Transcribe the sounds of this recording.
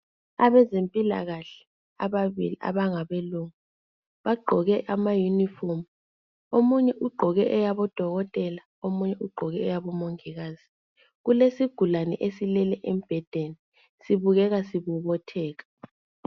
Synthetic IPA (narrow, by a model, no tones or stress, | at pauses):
a̰βɛzempʼila̰ɣaɬɛ̥ | a̰βaβḭlḭʔa̰βaŋaβeluŋu | βaɡ͡ǃʱɔɣɛʔamajunifɔm | omuɲɛʔuɡ͡ǃʱɔɣɛʔɛjaβɔd̥ʱɔɣɔtʼɛla | omuɲɛʔuɡ͡ǃʱɔɣɛːjaβɔmɔŋiɣaːz̥i | ɣulesiɡ̥ʱulanɛ̰ʔesilɛlɛʔem̩b̥ʱɛd̥ʱeni | siβuɣɛɣasiβuβɔtʰɛːɣḁ